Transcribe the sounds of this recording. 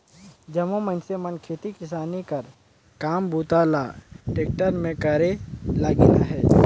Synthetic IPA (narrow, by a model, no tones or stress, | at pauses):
d͡ʒɐmomənsemənkʰeːt̪ikɪsaːnikɐɾ | kaːmbʱuːt̪aːla̰ːʈeːk̚ʈəɾmẽkəɾelaːɡinaɦɛː